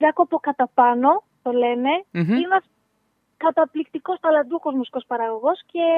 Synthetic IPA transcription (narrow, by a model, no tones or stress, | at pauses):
ɾɐkoɐpokɐt̪ɐpɐno̞ | t̪o̞le̞ne̞ineɐs | kɐt̪ɐplikt̪iko̞st̪ɐlɐd̪uxo̞zmusi̥ko̞spɐɾɐɣo̞ɣo̞sce̞